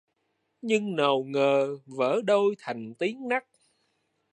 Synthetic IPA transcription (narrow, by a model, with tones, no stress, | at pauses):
ɲɨ˧ŋnə˨˩wŋəː˨˩və̰ː˧˥˦ɗo˧jt̪ʰa˨˩jŋ̟t̪i˨˦əŋna˦˥k̚